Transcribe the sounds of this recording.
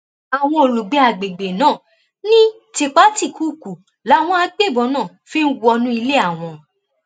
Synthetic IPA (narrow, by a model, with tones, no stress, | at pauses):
a˨w̃ɔ̃˧o˨lu˨ɡ͡be˨˧˦a˨ɡ͡be˨ɡ͡be˨nãː˦˨ | nĩ˦ | ti˨˧k͡pa˨˦ti˦˨kʰuː˨˦˨ku˨ | la˨˦˨w̃ɔ̃˧a˧ɡ͡be˦˨bɔ˨˧˦nãː˦˨fĩ˦n̩˦wu˧˦ɔ˧nũ˦i˧le˦a˦˨w̃ɔ̃˧